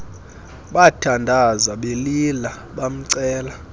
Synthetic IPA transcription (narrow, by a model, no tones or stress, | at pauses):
ɓatʰandʱazaɓelila | ɓam̩ǀɛːla